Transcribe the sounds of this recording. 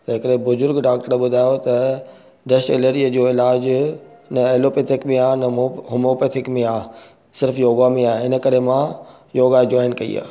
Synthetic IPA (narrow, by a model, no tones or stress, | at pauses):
t̪ɐɦɪkəɗẽbʊzʊɾɡɖaːk̚ʈəɾɓʊd̪ʱaːjot̪ɐ | ɖɐʃɪləɾiəd͡ʑoːɪlaːd͡ʑnɐeloːpet̪ʰɪkmẽaːnɐɦʊmoːpet̪ʰɪkmẽaː | sɪɾfjoːɡamẽaːɦeɪnə̆kɐɾemã | joːɡad͡ʑɔːɪnkɐḭa̰ː